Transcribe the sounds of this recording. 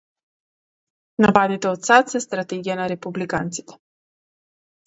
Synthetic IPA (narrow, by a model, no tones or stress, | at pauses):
napad̪it̪ɛot̪sat̪sɛst̪ɾat̪ɛɡijanaɾɛpublikant̪si̥t̪ɛ̥